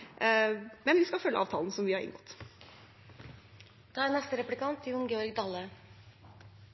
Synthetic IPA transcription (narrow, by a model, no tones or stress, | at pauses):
mɛnʋɪskɑlfœlːə̰ʔɑːʋt̪ʰɑːln̩sɔmʋɪhɑɾɪ̰nɡɔt̪ː | d̪̥ɑːɾnɛst̪əɾɛplɪkʰɑnt̪ʰɪʊnɡeːɔɾɡd̪ɑlːə